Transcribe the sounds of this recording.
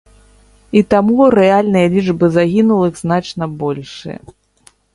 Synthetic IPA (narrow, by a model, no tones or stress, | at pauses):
it̪amuɾɛalʲnɨjɐlʲid͡ʐbɨzaɣʲinulˠɨɣznat͡ʂnɐbɔlʲʂɨ̰jɐ̰